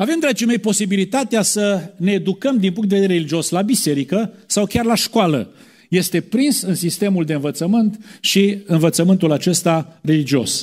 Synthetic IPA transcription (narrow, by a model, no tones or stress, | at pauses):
ave̞md̪ɾat͡ʃime̞jpo̞sibilit̪at̪easəneːd̪ukəmd̪inpuŋk̪t̪d̪eveeeelid͡ʒio̞slabise̞ɾikəsawkʲarlaʃkoalə̰ | je̞st̪e̞pɾinsɨnsist̪e̞muld̪eɨnvət̪səmɨnt̪ʃiɨnvət̪səmɨnt̪ulat͡ʃe̞st̪are̞lid͡ʒio̞̰s